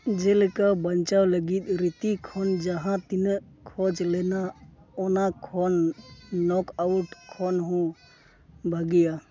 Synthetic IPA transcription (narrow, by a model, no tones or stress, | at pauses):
d͡ʒɛlkabənt͡ʃawləɡit̪̚ɾit̪ikʰɔnd͡ʒaɦãt̪inə | kʰɔd͡ʒlɛna | ɔnakʰɔnː | ɔkawʈkʰɔnɦũ | bʱəɡija